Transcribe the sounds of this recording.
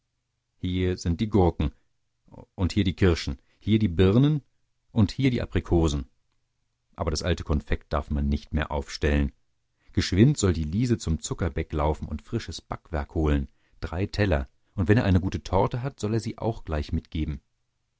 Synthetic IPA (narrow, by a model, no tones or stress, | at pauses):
hiːɐzɪnt̚d̥iːɡʊɐkŋ̩ | ʔʊnthiːɐdiːkʰɪɐʃn̩ | hiːɐdiːbɪʁnən | ʔʊnthiːɐɾiːʔa̰pʁ̥ikʰoːzn̩ | ʔa̰ːbɐɾasʔaltə̥kʰɔnfɛk̚t̚d̥a̰ɐfmanːɪçtmeːɐʔa̰ʊfʃtɛlən | ɡ̥əʃv̥ɪntz̥ɔldiːliːzət͡sʊmt͡sʊkɐbɛklaʊfn̩ʊ̰ntfʁ̥ɪʃəsb̥akv̥ɛɐkhoːlən | d̥ʁaɪtʰɛlɐ | ʔʊntv̥ɛneːɐʔaɪnəɡuːtətʰɔʁɐtəɦatz̥ɔleːɐziːʔa̰ʊxɡ̥laɪçmɪtɡ̥eːbm̩